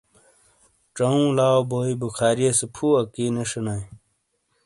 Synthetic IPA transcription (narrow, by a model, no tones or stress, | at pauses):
ʈ͡ʂɐũːlaːoboːibukʰaːɾijesepʰuːɐkiːneʂɐnaj